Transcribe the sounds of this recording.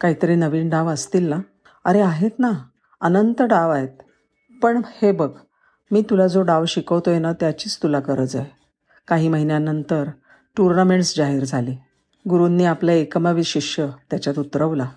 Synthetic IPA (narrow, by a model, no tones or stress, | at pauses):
kaɦiːt̪əɾiːnəʋiːnɖaʋəst̪iːlna | əɾeaɦet̪na | ənənt̪əɖaʋaɦet̪̚ | pəɳhebəɡ | miːt̪ulad͡zoɖaʋɕikəʋt̪ojenat̪jat͡ɕiːt͡st̪ulakəɾəd͡zaj | kaɦiːməɦinjanənt̪əɾ | ʈuɾnameɳʈsd͡ʑaɦiːɾd͡zʱaliː | ɡuɾuːnːiːapljaekəmaʋiɕiʂjət̪jat͡ɕjat̪ut̪ɾəʋla